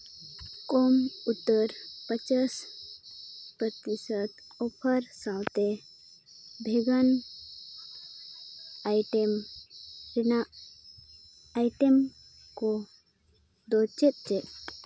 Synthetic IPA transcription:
kɔmut̪ːəɾpət͡ʃas | pɾət̪isət̪ | ɔpʰəɾsãwt̪ɛ | bʱeɡan | ajʈɛm | ɾinaʔ | jʈɛm | kɔ | d̪ɔt͡ʃɛt̪̚t͡ʃɛt̪

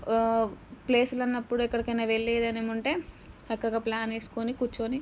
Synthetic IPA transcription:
ple̞ːsulɐnːɐpːuɽuɛkːɐɽɐkɐnɐʋeɭːeːd̪ɐneːmuɳʈe̞ː | t͡ʃɐkːɐɡaːplaːneːsu̥konikuɾt͡ʃːoni

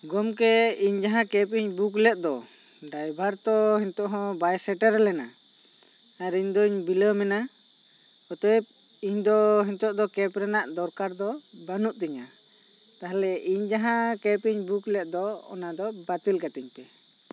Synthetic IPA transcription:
ɡɔmkɛiɲd͡ʒaɦãkɛpiɲbuklɛt̪̚ˀd̪ɔ | ɖajbʱaɾt̪ɔhiɲt̪ɔʔɦɔ̃bajsɛʈəɾɛlɛna | aɾiɲd̪ɔiɲbiləmɛna | ɔt̪ɔɛp̚ | iɲd̪ɔɦiɲt̪ɔʔd̪ɔkɛpɾɛnaʔd̪ɔɾkaɾd̪ɔbanuʔt̪ɛɲa | t̪aɦalɛʔiɲd͡ʒaɦãkɛpiɲbuklɛt̪̚d̪ɔɔ̰nad̪ɔbat̪ilkat̪iɲpɛ

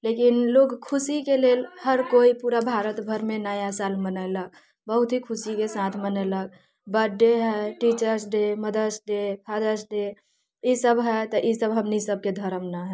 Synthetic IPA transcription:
lekinloɡkʰʊsikelelhəɾkoipuɾabʱaɾət̪bʱəɾmenajasalmənəɪlək̚ | bəɦut̪ɦikʰʊsikesat̪ʰmənələk̚ | bəɖːeɦɛʈit͡ʃəɾsɖeməd̪əsɖepʰad̪əsɖe | isəbɦɛt̪ɔʔisəbɦəmnisəb̚ked̪ʱəɾəmnaɦɛ

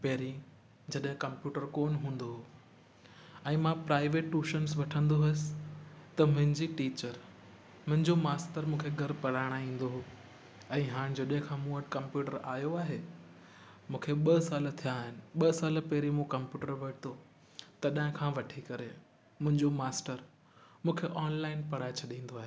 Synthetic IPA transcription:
pɐɦɾĩ | d͡ʑɐɗɦɪ̃kɐmpjuːʈəɾkoːnɦũːn̆d̪oɦoː | ɛ̃ːmãpɾaːɪʋeːʈːuːʃənsʋɐʈʰə̃nd̪oɦɐsɪ̥t̪ɐmʊ̃ɦɪ̃ɲd͡ʑiʈiːt͡ɕəɾ | mʊ̃ɦɪ̃ɲd͡ʑomaːsʈəɾmũːkʰeɡʱɐɾpɐɾaːɪɽ̃aĩːn̆d̪oɦo | ɛ̃ːɦaːɽ̃d͡ʑɐɗɦɪ̃kʰãːmũːəʈkɐ̃mpjuːʈəɾaːjoaːɦe | mũːkʰeɓɐsaːlt̪ʰijaːɦɪnɪ̆ɓɐsaːləpɛːɾimũkɐmpjuːʈəɾʋɐʈt̪ʰo | t̪ɐɗaɦɪ̃kʰãʋɐʈʰikɐɾe | mʊ̃ɦɪ̃ɲd͡ʑomaːsʈəɾ | mũːkʰeʔɔːnlaːɪnpɐɽaːet͡ɕʰɐɗĩːn̆d̪oaːɦe

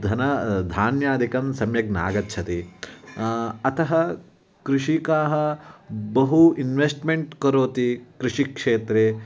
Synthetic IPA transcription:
d̪ʱɐnɐd̪ʱaːnjaːd̪ʱikɐmsɐmjɐɡ̚na̰ːɡɐtːʃʰɐt̪i | ɐt̪ʰɐɦɐ | kɾuʂikaːɦɐbɐɦuinʋesʈmeɳʈkɐɾoːt̪ikɾuʂikʂeːt̪ɾeː

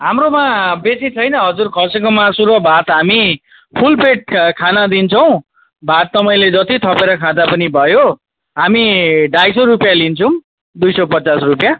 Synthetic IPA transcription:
ɦamromabesit͡sʰʌjnʌɦʌd͡zurkʰʌsekomasuɾʌbʱat̪ɦami | pʰulpeʈ̚kʰanad̪int͡sʰʌw̃ | bʱat̪ːʌmʌĩled͡zʌt̪it̪ʰʌpeɾʌkʰãd̪apʌnibʱʌjo | ɦamiɖajsoɾupjalint͡sʰʌ̃ | d̪ujsʌpʌt͡sasrupja

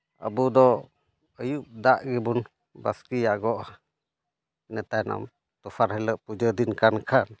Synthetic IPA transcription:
ə̰bud̪ɔ | əjuʔ̚d̪aʔɡɛbun | ba̰skijaʔɡɔʔa | inət̪anɔ̰m | t̪ufaɾɦɛləʔpud͡ʒəd̪inkankʰan

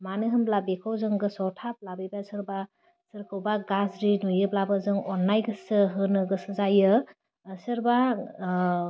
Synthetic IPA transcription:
manɯɦɯmlabekʰɔwzɯŋɡɯsɔtʰap̚labijbasɯɾba | sɯɾkʰɯwbaɡazɾinujɯplabɯzɯŋɔnːajɡɯsɯɦɯnɯɡɯsɯzajɯː | sɯɾba

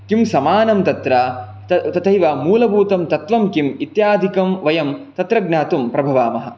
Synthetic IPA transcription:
kimsɐmaːnɐmt̪ɐt̪ɾɐ | ɐt̪ɐt̪ʰɐjʋɐmuːlɐbuːt̪ɐmt̪ɐt̪ʋɐmkimit̪jaːd̪ʱikɐmʋɐjɐmt̪ɐt̪ɾɐɡnaːt̪umpɾɐbʱɐʋaːmɐɦɐ̰̆

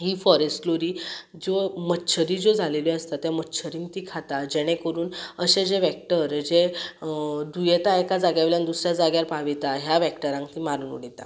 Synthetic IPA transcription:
ɦiːfɔɾesʈloɾiː | d͡zomətːɕʰəɾiːd͡zod͡zʱalelɔəst̪at̪jamətːt͡ɕʰəɾĩŋk̚t̪iːkʰat̪ad͡ʑeɽ̃ẽkəɾuːnəɕed͡ʑeʋɛk̚ʈəɾd͡ʑe | d̪ujet̪aekad͡zaɡjaʋeljand̪usɾjad͡zaɡjaɾpaʋit̪aɦjaʋɛkʈəɾãŋkt̪iːmaɾunṵɽit̪a̰

